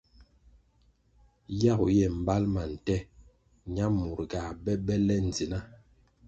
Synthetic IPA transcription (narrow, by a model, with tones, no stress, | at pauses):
ja˦˨ɣu˨jɛ˨m̩˨ba˦lma˨n̩˨tɛ˦ | ɲa˦mu˨ɾɡa˨bɛ˦bɛ˦lɛ˦n˨d͡zi˨na˦